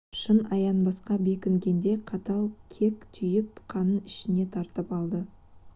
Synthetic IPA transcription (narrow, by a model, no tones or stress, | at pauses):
ʃənɑjɑnbɑsqɑbe̞kʲɪŋɡʲe̞nd̪e̞qʰɑt̪ɑlˠkʲʰe̞kt̪ʰʏjɪp̚qʰɑnəɪʃɪne̞t̪ʰɑɾt̪əpɑlˠd̪ə